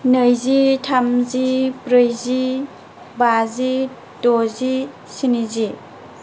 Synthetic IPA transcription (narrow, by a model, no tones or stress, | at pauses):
nɯjzitʰamzibɾɯjzi | bazi | tozi | sinizi